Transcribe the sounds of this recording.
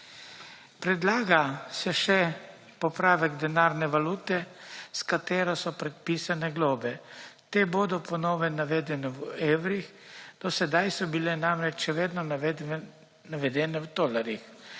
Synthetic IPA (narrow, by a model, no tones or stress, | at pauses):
pɾɛd̪laːɡasɛʃɛ | pɔpɾaːʋɛɡd̪ɛnaːɾnɛʋaluːt̪ɛskat̪eːɾɔsɔpɾɛt̪̚pisanɛɡloːbɛt̪eːboːd̪ɔpɔnɔwʋɛnːaʋɛːd̪ɛnɛweːwɾixd̪̥ɔsɛd̪ajsɔbilɛnamɾɛt͡ʃʃɛʋeːd̪nɔn | naʋɛd̪ɛːnɛwd̪oːlaɾix